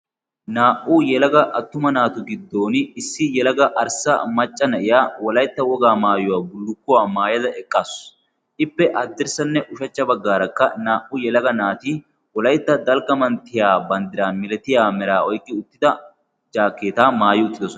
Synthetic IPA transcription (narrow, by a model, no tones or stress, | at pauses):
naːʔʊjɛlɐɡɐʔɐt̪ːʊmɐnaːt̪ʊɡɪd̪ːo̞ːnɪsːɪjɛlɐɡɐʔɐɾsɐ̰mɐt͡ʃʼːɐnɐʔɪjaːwɔlɐjt̪ːɐwɔɡaːmaːjʊwaːbʊlːʊkːʊwaːmaːjɐd̪ɐʔɛkʼːaːs | ʔɪpːɛʔɐd̪ːɪɾsɐnːɛʔʊʃɐt͡ʃːɐbɐɡːaːɾɐkːɐnaːʔʊjɛlɐɡɐnaːt̪iː | wɔlɐjt̪ːɐd̪ɐlɡɐmɐnt̪ːɪjaːbɐnd̪ɪɾaːnmɪlɛt̪ɪjaːmɛɾaːɔjkːɪʊt̪ːɪd̪ɐ | d͡ʒaːkːeːt̪aːmaːjɪʊt̪ːɪd̪ɔsɔn